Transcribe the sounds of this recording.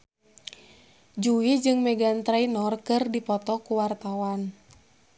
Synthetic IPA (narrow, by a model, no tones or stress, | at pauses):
d͡ʒuwid͡ʒɨŋmɛɡant̪ɾainɔrkɨrdipɔt̪ɔkuwart̪awan